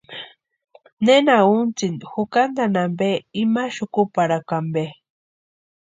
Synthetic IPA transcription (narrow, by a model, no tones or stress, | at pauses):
nenaunt͡sinxukand̪anambeimaʃʊkupaɾakambe